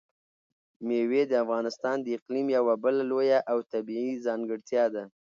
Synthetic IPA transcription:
mewed̪əafɣɑnɪst̪ɑnd̪əɪqlimjawabəlalojaʔawt̪abiizɑŋɡəɽt̪jɑd̪a

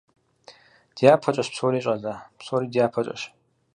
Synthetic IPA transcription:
d̥ijaːpʰɐt͡ʃʼɐɕpsoːɾiːɕʼɐzaːpsoːɾiːdijaːpʰɐt͡ʃʼɐ̰ʃ

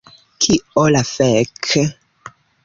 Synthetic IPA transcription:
kʰiɔlafɛkʰ

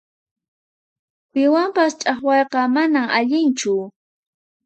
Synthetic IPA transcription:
pɪwampast͡ʃʼɑχwɑjqɑmanamaʎɪnt͡ʃʊ

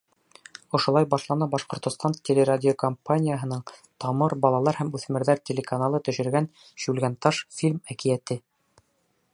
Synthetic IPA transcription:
ŏʃŏlˠɑjbɑʃlˠɑnɑbɑʃqŏɾt̪ŏst̪ɑnt̪ʲelʲeɾadʲɪokɐmpanʲijəɦɤ̆nɤɴt̪ɑmɤɾbɑlˠɑlˠɑɾhæmʉθmɘ̆ɾðæɾtʲelʲekanalˠɤt̪ɵ̆ʃɘ̆ɾɡæn | ɕʉlɡænt̪ɑʃfʲilʲmækijæt̪ɘ

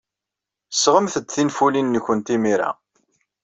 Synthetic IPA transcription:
sʁəmθəd̪θinfulinːçʷənt̪imiɾa̰

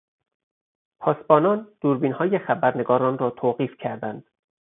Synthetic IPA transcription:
pʰɒːsbɒːnɒːnd̪̥uːɾbiːnhɒːjexæbæɾneɡɒːɾɒːnrɒːt̪ʰoːɢiːfcʰæɾd̪ænd̪̥

